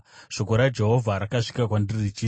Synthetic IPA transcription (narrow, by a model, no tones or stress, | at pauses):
ʂokoɾad͡ʒe̞ɦo̞vʱaɾakaʂi̥kakwandirit͡ʃiː